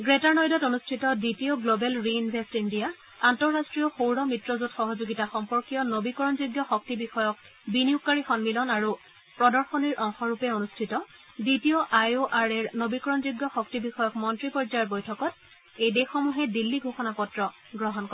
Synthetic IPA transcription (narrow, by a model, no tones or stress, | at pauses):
ɡɹetaɹnɔjdɔtonustʰitɔditioɡlobɛlɹinwestindija | antɔɹːastɹijɔxowɹɔmɹitɹɔzutxɔɦozoɡitaxɔmpɔɹkijɔnobikɔɹɔnzuɡjɔxɔk̚tibixɔjɔk̚ | biniukːaɹixɔnmilɔnaɹu | pɹɔdɔɹxɔniɹʔɔŋxɔɹupɛonustʰitɔ | bitioʔajoʔaɹɛɹnobikɔɹɔnzuɡjɔxɔk̚tibixɔjɔkmɔntɹipɔɹd͡ʒajɔɹbojtʰɔkɔt̚ | ejdexɔmuɦɛdilːiɡʱoxɔnapɔtɹɔ | ɡɹɔɦɔnkɔɹ